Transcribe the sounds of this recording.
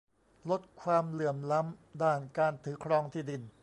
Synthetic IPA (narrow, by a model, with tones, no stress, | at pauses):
lo˦˥t̪̚kʰwaː˧mlɯ˨˩əmla˦˥mdaː˥˩nkaː˧nt̪ʰɯː˩˦kʰɾɔː˧ŋt̪ʰiː˥˩di˧n